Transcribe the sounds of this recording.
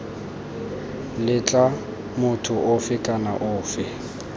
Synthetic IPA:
lɪt͡ɬʼa | mʊtʰʊʔʊfɪkʼanaʔʊːfɪ

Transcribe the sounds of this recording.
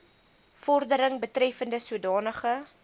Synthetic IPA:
fɔrdəɾəŋbətrɛfəndəsuədɑːnəχə

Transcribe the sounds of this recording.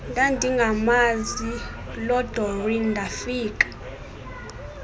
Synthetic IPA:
ndʱandʱiŋɡʱamazi | lɔd̥ʱɔrindʱafiːk̬ʼḁ

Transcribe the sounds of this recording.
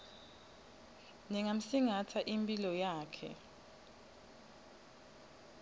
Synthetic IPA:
nɛŋam̩siŋatʰaʔimpʼilɔjaːkʰɛ̰

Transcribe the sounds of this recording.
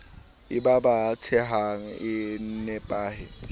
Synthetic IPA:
ɪbabat͡sʰɛɦaŋ̩ɪnɛpʼaːhɪ

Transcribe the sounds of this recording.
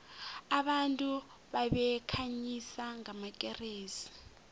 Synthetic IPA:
aɓantʼu | ɓaɓɛkʰaɲisaŋamakʼɛreːsi̥

